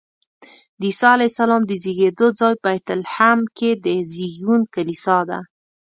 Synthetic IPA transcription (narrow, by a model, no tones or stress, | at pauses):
d̪əisɑalajsalɑmd̪əziɣed̪od͡zɑjbajt̪ʊlhamked̪əziɡunkalisɑd̪a̰